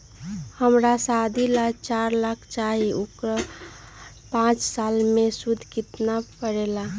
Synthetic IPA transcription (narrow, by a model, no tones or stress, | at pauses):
həmɾasad̪ʱilat͡ʃaɾlakʰt͡ʃaɦiʔukɾə | pãt͡ʃsalmesud̪ʱkit̪napəɾela